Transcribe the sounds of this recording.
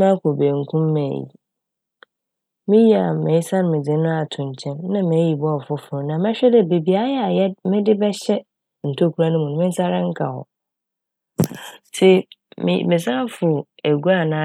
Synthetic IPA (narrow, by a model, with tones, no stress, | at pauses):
mã˦kʰo˨be˨ŋ̩˨kʰũ˦mːɛ̰˨jḭ˨ | mɪ̃˦ji˦a˨mɛ̃˨˦sã˦ñ˨mɪ̃˨d͡zɪ̃˨nʊ̃˦a˨tʰʊ̃˨ɲ˨t͡ɕʰɛ̃˦nnã˦mẽ˨˦ji˨bɔ˦˨fʊ˦fʊ˨ʊ˨nã˨mɛ̃˦ɕᶣɛ˦dɛ˦˨be˨bi˨a˨˦jɛ˦a˨jɛ˦mɪ̃˦dɪ˦bɛ˦ɕɛ˦ | n̩˨tʰo˦˨kʰu˨ɾa˦nʊ̃˦mũ˨nʊ̃˨˦mɪ̃˦sa˦ɾã˦ŋ̩˦kʰa̰˨hɔ̰˨ | sʰe˦mɪ̰˨mɪ̃˨s̬ã˦fʊ˨æ˨ɡu˦a˦˨nã˨˦˨